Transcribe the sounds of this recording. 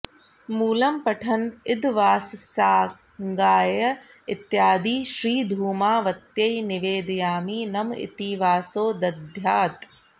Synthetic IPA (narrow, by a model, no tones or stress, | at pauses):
muːlɐmpɐʈʰɐnɪd̪ʋaːssaː | ŋɡaːjɐ | ɪt̪ːjaːd̪iːʃɾiːd̪ʱuːmaːʋɐt̪jɐinɪʋeːd̪jaːmiːnɐmɪ̰t̪iːʋaːsoːd̪ɐd̪ʱjaːt̪